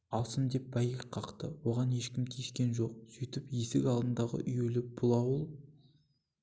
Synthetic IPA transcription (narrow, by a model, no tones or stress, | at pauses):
ɑlˠsəmd̪e̞p̚bɑjəɪqʰːɑqt̪əwo̞ʁɑne̞ʃkʲɪmkʲʰeʃkʲe̞nʒo̞q̚syjt̪ɪpjesɪkʲɑlˠd̪ənd̪ɑʁə̰ʔʏjelɪb̥ʊlˠɑwəlˠ